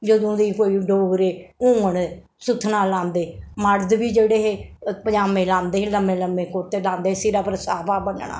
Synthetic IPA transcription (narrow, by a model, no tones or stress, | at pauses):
d͡ʒəd̪õːd̪iːkoːiːɖoːɡɾeːũːəɳ | sʊt̪ʰːnaːlːãːnd̪eːmaɽd̪biːd͡ʒeːɽeːɦeːpəɲaːmẽːlãːnd̪ẽːləmẽːləmẽːkoɾt̪eːlãːnd̪eːsiːɾaːpəɾsaːbaːbənɳa̰ː